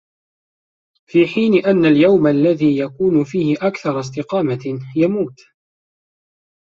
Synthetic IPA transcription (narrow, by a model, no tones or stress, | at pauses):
fiːħiːnɪʔanːaljawmalːaðiːjakuːnʊfiːhɪʔakθɑɾˤɑs̬t̪ɪqɑːmajamuːt̪